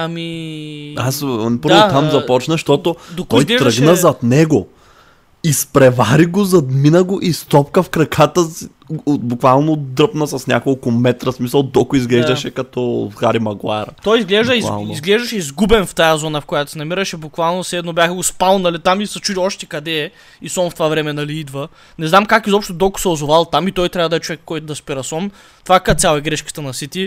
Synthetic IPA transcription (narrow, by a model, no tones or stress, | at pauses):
ɐmi | aspəɾɾot̪amzɐpɔt͡ʃnɐʃt̪ɔt̪od̪otɔjɡlɛɾəɡnəzɐt̪nɛɡo | ispɾɛvaɾiɡozɐd̪minɐɡoʔist̪ɔpkəfkɾɐkʰat̪əsi | bukvalˠnod̪ɾəpnəsɐsnʲa̰kolˠkʊmɛt̪ɾɐsmisɐlˠd̪ɔkʊizɡlɛʒd̪ɐʃɛkɐt̪ɔxaɾimɐɡlˠa̰ɾt̪ɔjizɡlɛʒd̪əia̰nizɡlɛʒd̪əʃɛizɡubɛnft̪ajazɔnɐfkojat̪ʊ̥sɛnɐmiɾəʃɛbukvalˠnosɛd̪nobʲjaxəɡospalˠnɐlit̪amisɐt͡ʃud̪ʲiɔʃt̪ɛkɐd̪ɛ | isɔnft̪ovavɾɛmɛnɐliid̪və | nɛznamkakizɔpʃt̪od̪ɔkʊ̥sɛozovalˠt̪amit̪ɔjt̪ɾʲavɐd̪ɐɛt͡ʃovɛkːɔjt̪ʊd̪ɐspiɾɐsɔn | t̪vakat̪sʲalˠɛɡɾɛʃkə̥t̪ɐnɐsit̪i